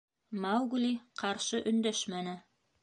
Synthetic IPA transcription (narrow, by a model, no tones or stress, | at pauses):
mɑwɡuliqʰɑɾʃɤʔɵ̆nd̪æʃmænɘ